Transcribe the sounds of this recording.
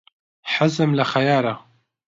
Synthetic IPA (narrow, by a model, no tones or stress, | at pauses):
ħazɨmlaxajaːɾa